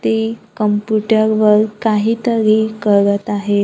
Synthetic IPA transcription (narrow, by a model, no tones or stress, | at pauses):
t̪ekəmpjuʈəɾʋəɾkaɦiːt̪əɾekəɾət̪aɦe